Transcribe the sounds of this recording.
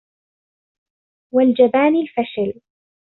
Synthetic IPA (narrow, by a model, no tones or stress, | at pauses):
wald͡ʒabaːnɪlfaʃal